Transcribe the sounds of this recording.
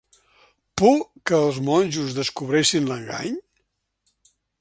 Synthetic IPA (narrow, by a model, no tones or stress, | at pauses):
pukəːlˠzmɔnʲʒuzðəskuβ̞ɾesinləŋɡa̰ɲ